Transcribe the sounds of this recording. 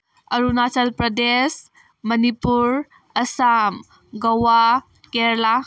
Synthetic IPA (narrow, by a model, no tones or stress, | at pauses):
ɐɾunasɐlpɾɐdes | mɐnipuɾ | ɐsam | ɡɐwa | keɾla